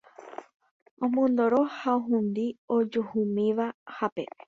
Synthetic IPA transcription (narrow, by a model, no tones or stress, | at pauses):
õmõnd̪oɾohaoɦũnd̪iod͡ʒohumĩʋahape̞